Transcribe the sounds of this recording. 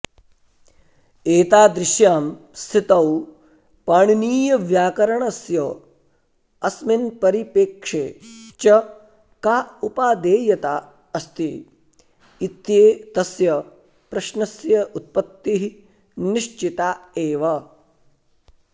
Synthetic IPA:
eːt̪aːd̪ɾɪʃjaːm | st̪ʰit̪ɐw | paɳniːjɐʋjaːkɐɾɐɳɐsjɐ | ɐsminpɐɾipeːkʂeːt͡ʃɐ | kaːupaːd̪eːjɐt̪aː | ɐst̪i | t̪jeːt̪ɐsjɐ | pɾɐʃnɐsjɐʔut̪̚pɐt̪ːiɦi | niʃt͡ʃit̪aːeːʋɐ

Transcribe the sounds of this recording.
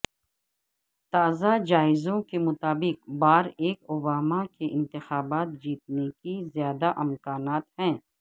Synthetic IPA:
t̪aːzad͡ʒaːɪzõkemʊt̪aːbɪq̚baːɾeːkʊbaːmakeʔɪ̃nt̪ɪxaːbaːt̪̚d͡ʒiːt̪̚nekizjaːd̪aʔɪmkaːnaːt̪hɛ̃ː

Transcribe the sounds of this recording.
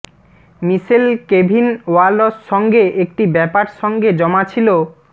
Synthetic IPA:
miʃelkebʱinwalosʃɔŋɡeʔek̚ʈibɛpaɾʃɔŋɡed͡ʑɔmat͡ɕʰilo

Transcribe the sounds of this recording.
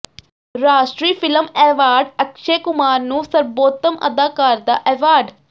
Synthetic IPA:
ɾaːʃʈɾiːpʰɪləmɛːʋaːɾɖəkʃeːkʊmaːɾnũːsəɾboːt̪əmə̰d̪aːkaːɾd̪a̰ːʔɛːʋaːɾɖ

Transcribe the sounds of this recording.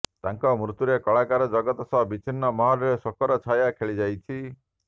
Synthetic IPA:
t̪aŋkɔmɾut̪uɾekɔɭakaɾɔd͡ʒɔɡɔt̪ɔsɔɦbit͡ʃʰinːɔmɔɦɔɾɔɾesɔkɔɾɔt͡ʃʰajakʰeɭid͡ʒajt͡ʃʰi

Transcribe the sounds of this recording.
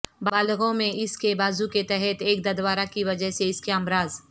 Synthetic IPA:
baːlɣõmẽʔɪskebaːzuket̪ɛɦɛt̪eːkd̪ɐd̪ʋaːɾakiʋɐd͡ʒəɦseɪskeamɾaːz

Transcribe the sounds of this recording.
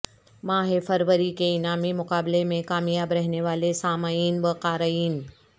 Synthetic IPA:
mãːɦefɐɾʋəɾikeɪnaːmimʊqaːblemẽkaːmijaːbɾɐɦneʋaːlesaːmaːiːnbəqaːɾaiːn

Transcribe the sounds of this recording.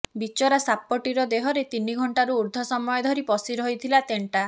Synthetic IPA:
bit͡ʃɔɾasapːɔʈiɾɔd̪eɦɔɾet̪iniɡʱɔɳʈaɾuuɾd̪ʱɔsɔmɔjɔd̪ʱɔɾipɔsiɾɔɦjt̪ʰilat̪eɳʈa

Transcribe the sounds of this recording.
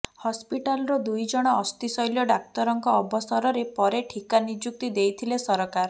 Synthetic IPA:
hɔspiʈalɔɾɔd̪ujd͡ʒɔɽ̃ɔːst̪isɔjljɔɖak̚t̪ɔɾɔŋkɔːbɔsɔɾɔɾepɔɾeʈʰikanid͡ʒuk̚t̪id̪ejt̪ʰilesɔɾɔkaɾ

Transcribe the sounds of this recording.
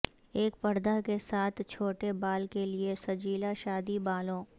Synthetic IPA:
eːk̚pɐɾd̪akesaːt̪ʰt͡ʃʰoːʈebaːlkeliesɐd͡ʒiːlaʃaːd̪ibaːlõː

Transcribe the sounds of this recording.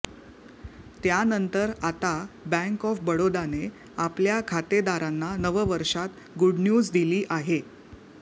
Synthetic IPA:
t̪janənt̪əɾat̪abæ̃ŋkɔfbəɽod̪ane | apljakʰat̪ed̪aɾanːanəʋəʋəɾʂat̪ | ɡuɽnjuːd͡zd̪iliːʔaɦe

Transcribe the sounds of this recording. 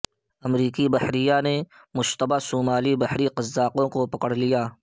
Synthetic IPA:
ɐmɾiːkibɐhɾijane | mʊʃt̪əbaːsuːmaːlibɐhɾiqɐzːaːqõkopɐkəɽ̤lijaː

